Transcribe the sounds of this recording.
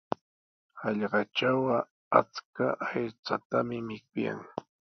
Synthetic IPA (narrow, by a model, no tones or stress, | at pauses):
hɑʎɢɑt͡ʃawɑ | a̰t͡skaet͡sat̪amɪmɪk̚ʊja̰ŋ